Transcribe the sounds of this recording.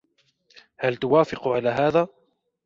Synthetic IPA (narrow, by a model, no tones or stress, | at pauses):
halt̪ʊwaːfɪqʕalaːɦaːðaː